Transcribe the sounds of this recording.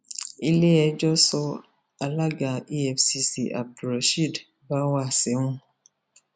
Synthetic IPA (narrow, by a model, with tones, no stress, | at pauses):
i˦le˦ɛ˨d͡ʒɔ˦sɔ˦ | a˨la˦ɡa˨i˦ɛ˨fsi˦sḭ˨ʔa̰˨b̚du˨ɾa˨ʃi˦˨d | ba˦wa˦˨sɛ˨˦ŋũ˦